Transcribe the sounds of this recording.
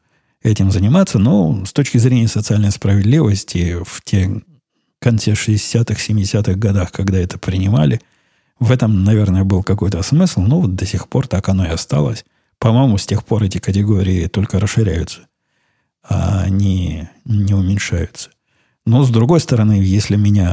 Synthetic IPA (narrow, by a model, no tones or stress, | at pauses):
ɛtʲɪmzənʲɪmat̪sənost̪ot͡ɕkʲɪzɾʲenʲɪjəsət̪sɨalʲnəjspɾəvʲɪd̪lʲivəsʲtʲɪftʲe | kɐnt̪sɛʂɨdʲɪsʲat̪ɨxsʲɪmʲɪdʲɪsʲat̪ɨɣɡɐd̪axkɐɡd̪aɛt̪ə̥pɾʲɪnʲɪma̰lʲɪ | vɛt̪əmnɐvʲernəjəbɨlˠkɐko̞jt̪əsmɨslˠnovot̪̚d̪əsʲɪxpo̞rt̪akɐno̞ɪɐst̪a̰lˠəsʲ | pɐmo̞jɪmʊsʲtʲe̞xpo̞ɾɛtʲɪkət̬ʲɪɡo̞ɾʲɪːt̪o̞lʲkəɾəʂːɨɾʲæ̰jʊt̪sə̥ | a̰ːnʲinʲɪʊmʲɪnʲʂa̰jʊt̪sə̥ | nozd̪ɾʊɡo̞jst̪əɾɐnɨjesʲlʲɪmʲɪnʲa